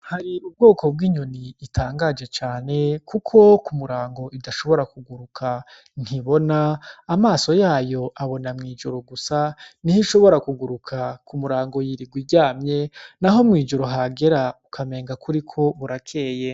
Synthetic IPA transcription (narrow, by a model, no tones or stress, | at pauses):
haɾiub̚ɡo̞ːkʰo̞b̚ɡiːɲoniːtʰaːŋɡaːd͡ʒe̞t͡ʃaːne̞kukʰo̞kumuɾaːŋɡo̞ʔidaʃo̞βo̞ɾakuɡuɾukʰa | n̥hiβo̞naːmaːso̞jaːjo̞ʔaβo̞namŋiːd͡ʒoɾoɡusanihiʃo̞βo̞ɾakuɡuɾukʰakumuɾaːŋɡo̞jiɾiɡwiɟaːmɲe̞naɦo̞mŋiːd͡ʒuɾoɦaɡe̞ɾaukʰame̞ːŋɡakuɾikʰo̞βuɾakʰe̞ːje